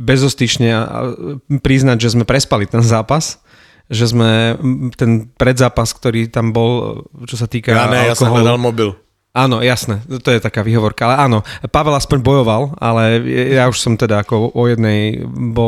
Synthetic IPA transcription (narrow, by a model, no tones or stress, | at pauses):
bɛzɔst̪it͡ʃɲɛaʔa̰pɾiznaɟʒɛzmɛpɾɛspalit̪ɛnzaːpas | ʒɛzmɛt̪ɛnpɾɛd̪zaːpaskt̪ɔɾiːt̪ambɔlt͡ʃɔsat̪iːkaɛjaskɔɦɔad̪almɔbil | aːnɔjasnɛt̪ɔjɛt̪akaːʋiːɦɔʋɔɾkaalɛaːnɔpaʋɛlaspɔɲbɔjɔʋala̰lɛjauʃsɔmt̪ɛd̪aːkɔɔjɛd̪nɛjbɔ